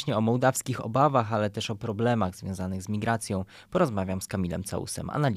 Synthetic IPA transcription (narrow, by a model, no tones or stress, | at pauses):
ɕɲɛɔmɔwd̪afskʲixɔ̰bavaxalɛt̪ɛʂɔpɾɔblɛmaɣzvʲjɔ̃w̃zanɘɣzmʲiɡɾat̪sʲjɔ̃w̃ | pɔɾɔzmavʲjamskamʲilɛ̰mt̪sa̰ṵsɛ̰ma̰nalʲ